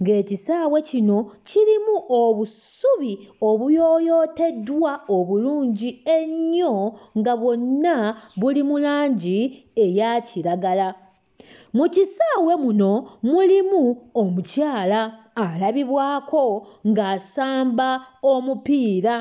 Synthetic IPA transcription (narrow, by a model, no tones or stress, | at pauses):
ŋɡe̞ːcisaːwe̞cino̞cilimuʔoβusuβi | o̞βujo̞ːjo̞ːte̞dwaoβuluːɲɟie̞ɲːo̞ŋɡaβo̞nːaβulimulaːɲɟie̞jaciɾaɡala | mucisaːwe̞muno̞mulimuomucaːlaːlaβiβwaːkʰo̞ŋɡaːsaːmbaomupiːɾa